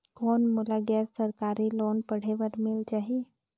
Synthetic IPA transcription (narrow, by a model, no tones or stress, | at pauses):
konmulaɡɛɾsəɾkaɾiːlonpəɽ̤eʋəɾmild͡ʒaɦi